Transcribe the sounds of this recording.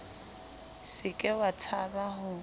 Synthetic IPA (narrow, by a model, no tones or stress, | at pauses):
sɪkʼɛwatʰabaɦʊ